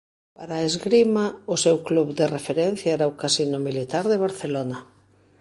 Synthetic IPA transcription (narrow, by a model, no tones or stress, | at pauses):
paɾaezɣɾimaʊsewkluβd̪erefeɾɛn̟θjaɛɾaokasinʊmilit̪aɾðeβaɾθelonɐ